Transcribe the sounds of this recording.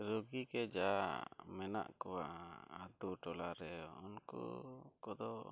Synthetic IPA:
ɾoɡikɛd͡ʒamɛna̰ʔkɔwaʔat̪uʈɔlaɾɛunkṵkɔd̪ɔ

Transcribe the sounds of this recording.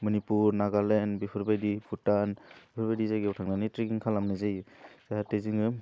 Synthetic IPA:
mɔnipuɾnaɡalenbipʰɯɾbajdipʰutanbipʰɯɾbajdizaɡiwtʰaŋnanitɾikiŋkʰalamnɯzajsahateziŋɯ

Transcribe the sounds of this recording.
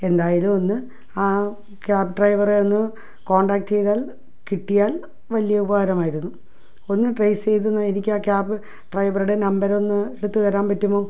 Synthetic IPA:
e̞nd̪aːjilumo̞nːɨ | aː | kaːpːɨɖrɐjʋɐreonːɨ | ko̞ːɳɖaːk̚ʈt͡ɕe̞jðaːl | kiʈːijaːl | ʋɐlijɐubɐɦɐɾɐmaːjiɾunːu | o̞nːɨʈrɐjst͡ɕe̞jt̪̬unːɐenikʲːaːkjaːbɨ | ɖrɐjʋɐruɽe̞nɐmbɐɾo̞nːɨeɽut̪ːɨkɐɾaːmpɐtːumːo̞ː

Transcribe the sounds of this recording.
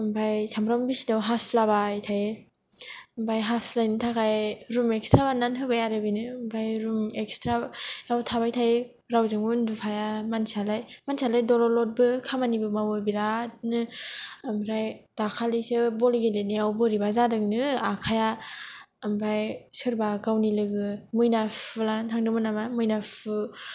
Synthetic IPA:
mbʰajsamɾawmbisinawɦaslabajtʰaje | mbajɦaslajnɯtʰakajeɾumekstɾabanːanɦɯbajaɾɯbinɯmbajɾumekstɾajawtʰaβajtʰaje | ɾawzɯŋundupʰajamansialajmansʰalajdɔlɔlɔt̚bɯkʰamanibɯmawɯbiɾat̚nɯamɾajd̥akʰalisɯbɔliɡeletnijawbɯɾibazadɯŋnɯakʰaja | mbajsɯɾbaɡawnilɯɡɯmɯjnapɯlantʰaŋdɯmɯnamamɯjnapʰɯ

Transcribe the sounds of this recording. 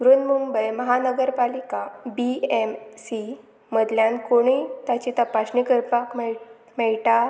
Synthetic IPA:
ɡɾunmumbəjməɦanəɡəɾpalikabiemsi | məd̪ljãnkoɽ̃it̪at͡ɕit̪apaɕɳikəɾpakm | mɛɭʈa

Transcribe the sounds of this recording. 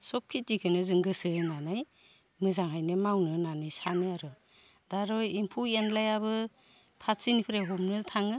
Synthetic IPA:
sɔp̚kʰit̚dikʰɯnɯzɯŋɡɯsɯnanaj | mɯzaŋɦajnɯmawnɯnanajsanɯaɾɯ | d̥aɾɔjimpʰuenlajabɯ | pʰasinipʰɯɾeɦɔmnɯtʰaŋɯ

